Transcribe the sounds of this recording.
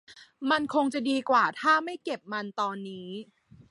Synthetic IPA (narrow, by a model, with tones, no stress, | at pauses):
ma˧nkʰo˧ŋt͡ɕa˨˩diː˧kwaː˨˩t̪ʰaː˥˩ma˥˩jke˨˩p̚ma˧nt̪ɔː˧nːiː˦˥